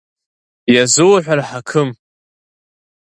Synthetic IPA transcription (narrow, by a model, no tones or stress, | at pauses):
jazɨwaħᶣʷaraħakʰɨm